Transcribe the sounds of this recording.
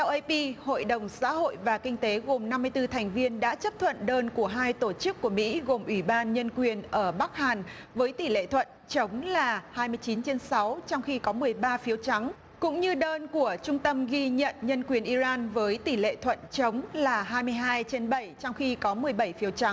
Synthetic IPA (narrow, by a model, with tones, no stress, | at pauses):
t̪ʰɛ˧wʔə˧jpi˧ho̰˧˨jɗə˨˩wŋ͡msa̰ː˧˥ɦo̰˧˨jvaː˨˩kï˧ŋ̟t̪e˨˦ɣo˨˩mna˧mːɨ˧əjt̪ɨ˧t̪ʰɛ˨˩jŋ̟vi˧ənɗa̰ː˧˥t͡ɕə˦˥p̚t̪ʰwə̰˧˨nɗəː˧nku˧˩əɦaː˧jt̪o˧˩t͡ɕɨ˦˥kːu˧˩əmḭ˧˥ɣo˨˩mʔwi˧˩ɓaː˧nɲə˧nkwi˨˩ənʔəː˧˩ɓa˦˥k̚haː˨˩nvəː˨˦jt̪i˧˩lḛ˧˨t̪ʰwə̰˧˨nt͡ɕə˨˦wŋ͡mlaː˨˩haː˧jmɨ˧əjt͡ɕi˨˦nt͡ɕe˧nsa˨˦wt͡ɕɔ˧wŋ͡mxi˧kɔ˨˦mɨ˨˩əjɓaː˧fi˨˦wt͡ɕa˨˦ŋ | kʊ̰˧˥ŋ͡mɲɨ˧ɗəː˧nku˧˩ət͡ɕʊ˧ŋ͡mt̪ə˧mɣi˧ɲə̰˧˨nɲə˧nkwi˨˩ənʔi˧zaː˧nvəː˨˦jt̪i˧˩lḛ˧˨t̪ʰwə̰˧˨nt͡ɕə˨˦wŋ͡mlaː˨˩ɦaː˧jmɨ˧əjɦaː˧jt͡ɕe˧nɓə˧˩jt͡ɕɔ˧wŋ͡mxi˧kɔ˨˦mɨ˨˩əjɓə˧˩jfi˨˦wt͡ɕa˨˦ŋ